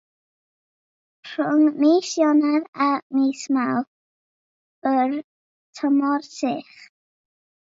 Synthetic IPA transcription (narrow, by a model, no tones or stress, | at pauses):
rʊŋmiːsjɔnaðamiːsmawθ | ər | tʰɔmɔrsɪχ